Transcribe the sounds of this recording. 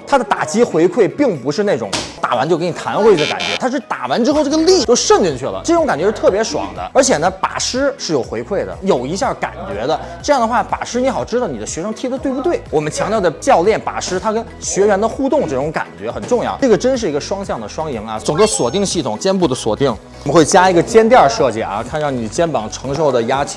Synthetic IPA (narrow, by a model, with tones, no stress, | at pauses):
t̪ʰa˥d̪ə˨t̪a˨˩t͡ɕi˥xwe˧˥ɪkʰwe˥˩ɪpi˥˩ŋpu˧˥ʂɻ̩˥˧ne˥˩ɪʈ͡ʂʊ̰˨˧˥ŋt̪a̰˨˩wnt͡ɕo˥˧ʊkə˥ni˨˩t̪ʰa˧˥nxwe˥ɪ˥ə˧ka̰˨˩nt͡ɕɥɛ̰˧˥t̪ʰa˥ʂɻ̩˥˩t̪a˨˩wa˧˥nʈ͡ʂɻ̩˥xʈ͡ʂɤ˥˩ə˧li˥˩t͡ɕjo˥˧ʊʂə˥˧nli˧nt͡ɕʰy˥˩lə̰˩ʈ͡ʂɤ˥˩ʈ͡ʂʊ˧˥ŋka˨˩nt͡ɕɥɛ˧˥ʂɻ̩˥˧t̪ʰɤ˥˩pjɛ˧˥ʂwɑ̰˨˩˨ŋd̪ə̰˦ə˞˧˥t͡ɕʰjɛ˨˩nə˦pa̰˨˩ʂɻ̩˥ʂɻ̩˥˩jo˨˩ʊxwe˧˥ɪkʰwe˥˩ɪd̪ə̰˩jo˨˩ʊi˧˥ɕja˥˩ka̰˨˩nt͡ɕɥɛ̰˧˥d̪ə˧ʈ͡ʂɤ˥˧jɑ˥˩ŋd̪ə˩xwa˥˩pa̰˨˩ʂɻ̩˥ni˧˥xɑ˨˩ʊʈ͡ʂɻ̩˥d̪ɑ˥˩ʊni˨˩d̪ə˦ɕɥɛ˧˥ʂɤ˥ŋt̪ʰi˧˥d̪ə˧t̪we˥˧pu˧˥t̪we˥˩ɪwɔ˨˩mə˦nt͡ɕʰjɑ˧˥ŋt̪jʊa˧t͡ɕjɑ˥˧ʊljɛ˥˩npa̰˨˩ʂɻ̩˥t̪ʰa˥kə˥n | ɕɥɛ˧˥ɥɛ˧˥nd̪ə˧xu˥˧t̪ʊ˥˧ŋʈ͡ʂɤ˥˩ʈ͡ʂʊ˧˥ŋka̰˨˩nt͡ɕɥɛ˧˥xə˨˩nʈ͡ʂʊ˥˧ŋjɑ̰˥˩ʊʈ͡ʂɤ˥˩ə˩ʈ͡ʂə˥nʂ̬ɻ̩˥˩i˧˥ɡə˧ʂwɑ˥ŋɕjɑ˥˩ŋd̪ə˩ʂwɑ˥ŋi˧˥ŋɐ̰˧ʈ͡ʂʊ˨˩ŋɡə˧swɔ˨˩t̪i˥˧ŋɕi˥˩t̪ʰʊ˨˩ŋt͡ɕjɛ˥np̬u˥˩d̪ə˩swɔ̰˨˩t̪i˥˩ŋ | mə˦nxwe˥˩ɪt͡ɕja˥i˧˥ɡə˧t͡ɕjɛ˥nt̪̬jɑ˥˧ʂɤ˥˧t͡ɕi˥˩ɐ̰˧kʰa˥˧nɻɑ˥˩ŋni˨˩t͡ɕjɛ˥npɑ˨˩ŋʈ͡ʂʰɤ˧˥ŋʂo˥˩ʊd̪ə˩ja˥t͡ɕʰi̥˧˥˩